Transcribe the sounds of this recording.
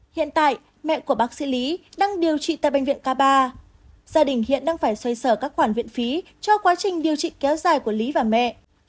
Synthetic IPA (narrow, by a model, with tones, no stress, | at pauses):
hḭ˧˨ənt̪a̰ː˧˨j | mɛ̰˧˨ku˧˩əɓaː˦˥k̚sḭ˧˥li˨˦ɗaː˧ŋɗi˨˩əwt͡ɕḭ˧˨t̪a̰ː˧˨jɓŋ̟vḭ˧˨ənkaː˧ɓaː˧ | z̥aː˧ɗï˨˧˩ŋ̟hḭ˧˨ənɗaː˧ŋfaː˧˩jswa˧jsəː˧˩kaː˦˥k̚xwaː˧˩nvḭ˧˨ənfi˨˦ | t͡ɕɔ˧kwaː˨˦t͡ɕï˨˩ŋ̟ɗi˨˩əwt͡ɕḭ˧˨kɛ˨˦wzaː˨˩jku˧˩əli˨˦vaː˨˩mɛ̰˧˨